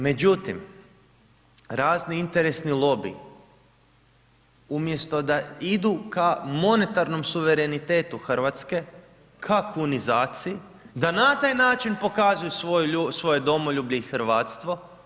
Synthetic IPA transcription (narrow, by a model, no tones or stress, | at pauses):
me̞d͡ʑut̪im | ɾaːzniint̪e̞ɾesnilˠo̞bḭ | umje̞st̪o̞d̪aid̪ukamo̞ne̞t̪aɾno̞msuʋe̞ɾe̞nit̪e̞ːt̪uxrʋat̪ske̞ | kʰakunizaːt̪siji | d̪anat̪aːjnaːt͡ʃinpo̞kazujusousʋo̞jed̪o̞moʎuːbʎeixɾʋaːt̪st̪ʋo̞